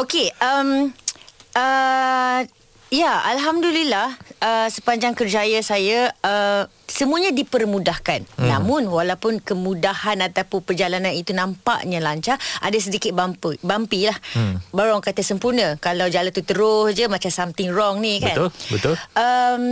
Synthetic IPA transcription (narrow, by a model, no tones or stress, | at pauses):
okeəm | ʔə | jaalɦamdulilahəsəpaɲd͡ʒaŋkərd͡ʒajasajaə | səmuaɲadipərmudahkannːãmʊnwalawpʊnkəmudahanat̪apʊnpərd͡ʒalananit̪unãmpa̰ʔɲãlaɲt͡ʃahʔa̰das̬ədikɪt̪̚bampubampilahbaɾuaŋkat̪əsəmpurnə̃kalawd͡ʒalant̪ut̪əɾʊsd͡ʒəmãt͡ʃamsamt̪ɪŋrɔŋnikəanlbət̪ʊlʔəm